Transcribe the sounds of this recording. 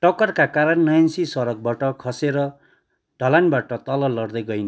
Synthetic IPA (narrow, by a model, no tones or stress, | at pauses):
ʈʌkʌrkakaɾʌnːʌjnsisʌɾʌk̚baʈʌkʰʌseɾʌ | ɖʱʌlanbaʈʌt̪ʌlʌlʌɽd̪ʌjɡʌjnʌ